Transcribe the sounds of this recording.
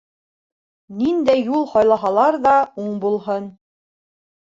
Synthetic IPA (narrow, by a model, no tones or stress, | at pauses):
nind̪æjːulˠhɒjlˠɑɦɑlˠɑɾðɑuɴbulˠɦɤn